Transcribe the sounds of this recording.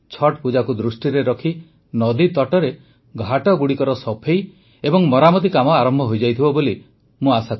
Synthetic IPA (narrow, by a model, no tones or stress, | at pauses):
t͡ʃʰɔʈpud͡ʒakud̪ɾusʈiɾeɾɔkʰi | nɔd̪it̪ɔʈɔɾe | ɡʱaʈɔɡuɽikɔɾɔsɔpʰej | ebɔŋmɔɾamɔt̪̬ikamɔaɾɔmbʱɔɦojd͡ʒajt̪ʰibɔboli | mũasak